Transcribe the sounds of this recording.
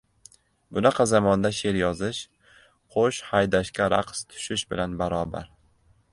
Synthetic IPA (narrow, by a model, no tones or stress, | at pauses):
bʊnɑqʰɑzamɒnd̪aʃe̞ɾjɒzɪʃ | qʰoʃhajd̪aʃkʲaɾa̰qst̪ʰʊ̥ʃɪʃbɪlanbaɾɒba̰ɾ